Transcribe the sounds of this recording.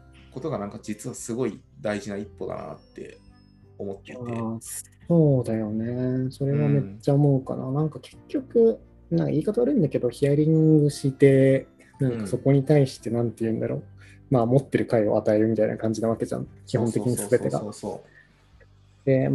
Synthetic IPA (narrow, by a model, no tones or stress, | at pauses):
ko̞t̪o̞ɡanãŋkad͡ʑit͡sɨβasɨɡo̞id̪aiʑinaipːo̞d̪a̰na̰t̪ːe̞̰ | omot̪ːea | so̞ːd̪ajo̞ne̞so̞ɾe̞βame̞t͡ɕːaomo̞ɯka̰na̰nãŋkake̞̥kʲːo̞kɯ̟ | nãŋka̰ʔiːkat̪aβaːɾɯ̟̃nd̪ake̞d̪o̞çiaɾʲĩŋɡɯ̟ɕit̪e̞ | nãŋkaso̞ko̞ɲ̟it̪aiɕi̥t̪e̞nãnt̪ejɯ̟̃nd̪a̰ɾo̞ː | maːmo̞t̪ːe̞ɾɯ̟kaio̞̰at̪ae̞ɾɯ̟mʲit̪aḭnʔa̰kãɲ̟d͡ʑinaβake̞d͡ʑã̰ŋkʲiɦõt̪ekʲiɲ̟issɨbe̞t̪e̞ɡa̰oː | d̪̥e̞